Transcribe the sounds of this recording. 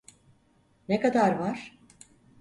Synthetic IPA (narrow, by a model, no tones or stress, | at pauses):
nekad̪aɾvaɾ̥